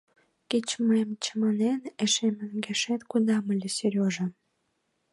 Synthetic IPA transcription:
kit͡ɕməmt͡ɕəmɑneneʃemə̆nɡeʃet̪kud̪ɑməlʲesyɾʲoʒə̆

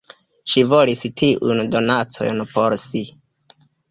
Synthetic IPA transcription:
ʃivolistʰiʔundo̞nat͡so̞̰jnpo̞ɾsi

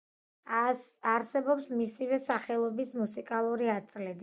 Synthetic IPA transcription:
aɾsɛbɔpsmisivɛsaχɛlˠɔbismusikʼalˠuɾiat̪sʼlɛd̪i

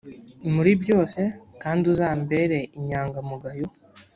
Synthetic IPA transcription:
muɾibjo̞ːse̞kaːndiuzaːmbe̞ɾe̞ʔiɲaːŋɡamuɡajo

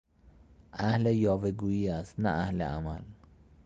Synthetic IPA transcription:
ʔæhlejɒːveɡuːjiːæst̪nææhlḛʔa̰mæl

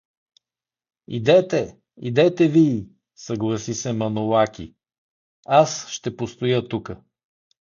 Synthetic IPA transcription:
ḭd̪ɛt̪ɛ | ḭd̪ɛt̪ɛviː | səɡlˠəsisɛmɐnolˠakʲi | asʃt̪ɛpost̪ojət̪ukə

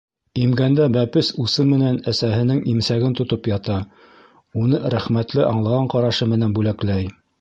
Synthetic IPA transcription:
imɡænd̪æbæpɘsusɤmɘ̆nænæsæɦɘ̆nɘŋimsæɡɘnt̪ŏt̪opjɑt̪ɑ | unɤɾæχmæt̪lɘʔɑɴlˠɑʁɑɴqɑɾɑʃɤmɘ̆nænbʉlæklæj

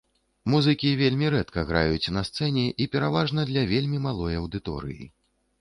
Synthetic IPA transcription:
muzɨkʲivʲelʲmʲiɾɛt̪kɐɣɾa̰jut͡sʲnɐst̪sɛnʲɛʔipʲɛɾavaʐnɐd̪lʲɐvʲelʲmʲimalˠɔjɐwd̪ɨt̪ɔ̰ɾɨ̰jḭ

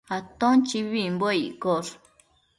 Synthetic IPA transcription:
at̪õnt͡ʃiβimboaikoɾ

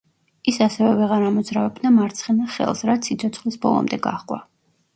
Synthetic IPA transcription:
isasɛvɛvɛʁaɾamɔd̪zɾavɛb̚d̪amaɾt̪sʰχɛnaχɛ̰lˠsɾat̪sʰit̪sʰɔt̪sʰχlisbɔ̰lˠɔ̰md̪ɛɡa̰χqʼwa̰

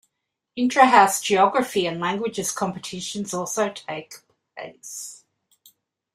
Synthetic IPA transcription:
ɪ̃ntʰɹ̥ɨæsʒ̥iɑɡɹɨfiɨ̃nlæ̃ŋɡwɨd͡ʒɨz̥kʰɑ̃mpɨtʰɪʃɨ̃nzɔlˠsoʊtʰeɪkpʰlḛ̃ɪs

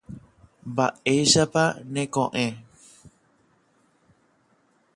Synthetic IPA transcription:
baʔejsapanekõʔẽ

